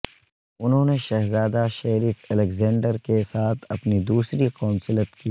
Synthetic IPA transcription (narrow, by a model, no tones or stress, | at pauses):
ʊnɦõːneʃɛɦzaːd̪aʃeːɾɪsɛlekzɛ̃ːɳɖəɾkesaːt̪ʰɐpnid̪uːsɾiqaːnsɪlət̪kiː